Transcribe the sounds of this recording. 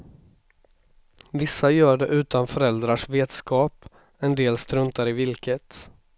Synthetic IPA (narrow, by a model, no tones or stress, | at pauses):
vɪsːajœːɖɛʔʉ̟ːt̪anfœɾɛld̪ɾaʂveːt̪skɑːp | ɛnd̪eːlst̪ɾɵnt̪aɾɪvɪlkʰət̪